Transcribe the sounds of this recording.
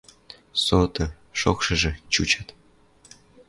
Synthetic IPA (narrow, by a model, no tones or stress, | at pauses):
sot̪ɤ̆ | ʃo̰kʃɤ̆ʒɘ̆t͡ɕut͡ɕat̪